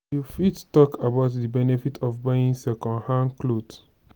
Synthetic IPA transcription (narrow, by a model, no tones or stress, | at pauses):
jufittɔkabaʊtdibɛnefitʰɔfbaĩnsɛkɔ̃nhãnklod